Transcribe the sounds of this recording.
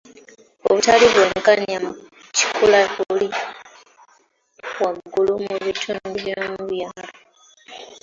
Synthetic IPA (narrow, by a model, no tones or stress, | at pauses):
oβutaliβweːŋkaɲam | ci̥kʰulauli | waɡːulumuβitʰumbiβjomuβjaːlo